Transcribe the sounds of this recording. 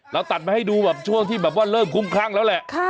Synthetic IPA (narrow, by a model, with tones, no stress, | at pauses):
ɾa˧wt̪a˨˩t̪̚ma˧ha˥˩jduː˧bɛː˨˩p̚t͡ɕʰu˥˩əŋt̪ʰiː˥˩bɛː˨˩p̚waː˥˩lɤː˥˩mkʰu˧˥˩mkʰaː˥˩ŋlɛː˦˥wlɛ˨˩ʔkʰː